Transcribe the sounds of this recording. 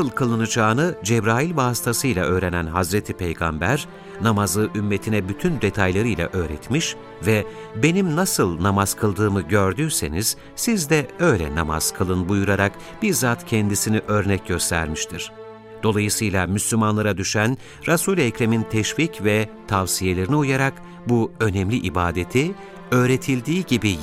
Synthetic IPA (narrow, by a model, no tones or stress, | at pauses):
ɯlˠkʰɯlˠɯnɯd͡ʒaːnɯd͡ʒɛbɾaːjilʲvaːst̪ʰasɯjlˠaʔø̞ːɾenænɦazɾet̪ʰipʰejɡa̰mbæɾ | namazɯʔymːe̞t̪ʰinɛbyt̪ʰynd̪e̞t̪ʰajlˠaɾɯjlˠa̰ʔø̞ːɾɛt̪miʃ | vɛ | be̞nimnasɯlˠnamaz̥kʰɯlˠd̪ɯːmɯɟøɾd̪yːse̞̰niz̥ | sizd̪ɛø̞jlʲɛ̰nama̰z̥kʰɯlˠɯnbujuɾaɾak | b̥iɾzaːt̪cʰɛnd̪isiniʔø̞ɾnɛcɟø̞st̪ʰæ̰ɾmiʃt̪ʰiɾ̥ | d̪̥o̞lˠajɯsɯjlˠamyslʲymanlˠaɾad̪yʃæn | ɾasulʲɛːcɾemint̪ʰɛʃvicvɛt̪ʰavsije̞lʲeɾiniujaɾak | buø̞nɛmlʲiʔibaːd̪et̪ʰi | ø̞ːɾe̞t̪ʰilʲd̪iːɟibi